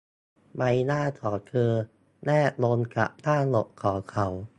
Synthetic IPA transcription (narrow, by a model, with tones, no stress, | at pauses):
ma˧jnaː˥˩t̪ʰɔː˨˩˦kʰɤː˧ | nɛː˥˩loː˧nka̰˨˩p̚t̪ʰaː˥˩lo˨˩ʔkʰɔː˩˦kʰa˨˦w